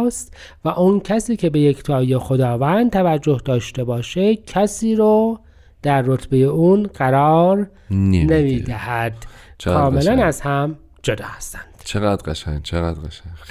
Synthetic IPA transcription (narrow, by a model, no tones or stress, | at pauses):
st̪ | væʔuncʰæsiːcʰe̞be̞jekʰt̪ʰɒːjexod̪ɒːvænd̪̚t̪ʰævæd͡ʒːo̞hd̪ɒːʃt̪e̞bɒːʃecʰæsiːɾɔː | d̪̥æɾːot̪ʰbe̞jeʔuːnɢæɾɒːɾ | nemiːd̪æhæd̪̥t͡ʃkʰɒːme̞lænæzhæm | d͡ʒo̞d̪ɒ̰ːhæst̪æ̥nd̪̥t͡ʃʰeɣæd̪ɢaʃæ̰ŋt͡ʃʰeɣæd̪aʃæ